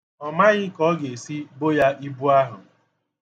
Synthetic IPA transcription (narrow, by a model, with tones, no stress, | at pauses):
ɔ˨ma˦ɲɪ˦kɔ˦ɡe˨si˦bo˦ja˦ʔi˦bu˦a˦ɦʊ˨